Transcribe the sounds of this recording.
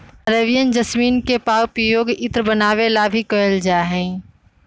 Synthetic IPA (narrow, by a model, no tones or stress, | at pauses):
ɾəʋijənd͡ʒəsmiːnkepaːwpɾəjoːɡɪt̪ɾbənaːʋelabʱikəəld͡ʒaːɦɛ̃ː